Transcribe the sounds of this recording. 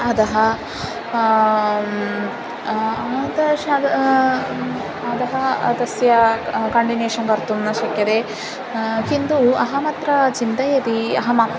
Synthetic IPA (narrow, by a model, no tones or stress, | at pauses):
ɐd̪ɐɦɐ | ad̪ɐʃdɐ | ɐd̪ɐɦɐd̪ɐsjɐkɐɳɖineːʂɐŋɡɐɾt̪umnɐʃɐkjɐd̪e | kind̪uɐɦɐmɐt̪ɾɐt͡ʃint̪ɐjɐt̪iɐ̰ɦɐmɐ